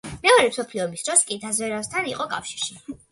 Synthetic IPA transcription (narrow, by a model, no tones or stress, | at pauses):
mɛɔɾɛmsɔpʰliɔmisd̪̥ɾɔskʼid̪azvɛɾast̪ʰaniqʼɔkʼa̰fʃiɾʃi